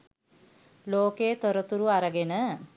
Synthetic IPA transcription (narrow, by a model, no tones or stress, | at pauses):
loːkeːt̪oɾət̪uɾuaɾəɡenə